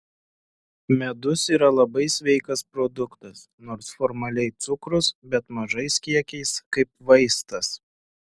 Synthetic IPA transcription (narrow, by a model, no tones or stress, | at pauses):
mʲɛd̪ʊsiːɾɐlˠɐbɐɪsʲʋʲɛɪkɐspɾɔd̪ʊkt̪ɐs | noːɾsfɔɾmɐlʲɛɪt̪sʊkɾʊsbʲɛt̪mɐʒɐɪskʲiɛkʲɛɪskɐɪpʋɐɪst̪ɐs